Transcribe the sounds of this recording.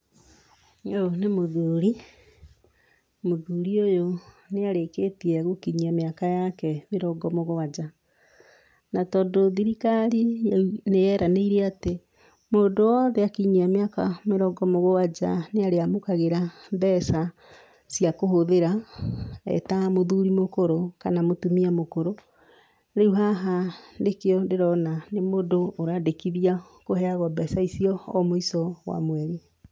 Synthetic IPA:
onemoðuːɾi | moðuːɾiojo | neaɾeketiɛɣokiɲiameakajakɛmeɾɔɡɔmoɣowad͡ʒa | natɔdoðiɾikaɾinejɛɾʔaneiɾɛate | moːndowɔðɛakiɲiamjakameɾɔɡɔmoɣowad͡ʒa̰neaɾeamokaɣeɾabɛsa | sjakoɦoðeɾa | ɛ̰tamoðuɾimokoɾokanamotumiamokoɾo | ɾeuɦaɦandekeɔndeɾɔnanemoːndoːɾadekiðia | kohɛaɣwɔbɛsaisiɔːmoisɔwa̰mwɛɾi

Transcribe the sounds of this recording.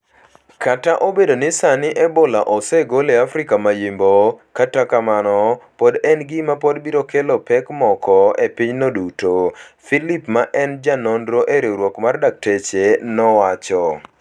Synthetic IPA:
kataʔobedonɪsanɪʔɛbolaʔɔsɛɡoleafɾɪkamajimbokatakamanɔpɔdɛnɡɪmapodbiɾokelɔpɛkmɔkɔepɪɲnodutofilipmaʔɛnd͡ʒanondɾoʔeɾeɾwɔkmardak̚tet͡ʃenɔwat͡ʃɔ

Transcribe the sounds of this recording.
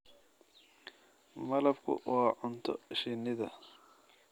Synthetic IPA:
mɐlɐbkʰʊ̰wɑːʕʊnt̪ʰɔ̰ʃɪnɪðɐ̰

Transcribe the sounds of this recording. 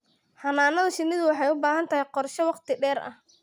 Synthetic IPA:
ħɐnaːnɐðɐʃɪnɪðʊwɑħɑjʊbaːhɐnt̪ʰɐɦɛjqɔrʃɔwɑqt̪ʰɪɖɛːrɐ̰h

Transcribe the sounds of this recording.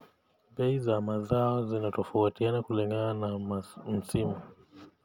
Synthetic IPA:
bɛizamazaɔzinatɔfautianakuliŋɡananam̩simu

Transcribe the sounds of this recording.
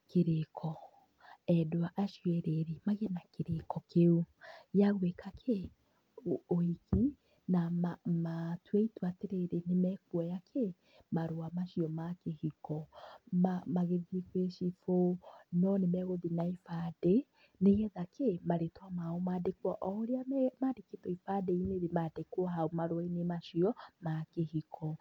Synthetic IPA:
kʰeɾekʰɔ | ɛdoaʔaʃuɛɾeɾemaɣenakeɾekɔkeujaɣwekʰakʰe | oikʰi | namamatweitwateɾeɾenemɛkwɔjakʰe | maɾoamaʃiɔmakehikɔmamaɣeðikweʃifonɔnemɛɣoðinaifade | neɣɛðakemaɾetwamaomaːdekwɔʔɔɾeamaːdeketɔifadeineɾemadekwɔɦaomaɾowainemaʃiɔmakehikʰɔ

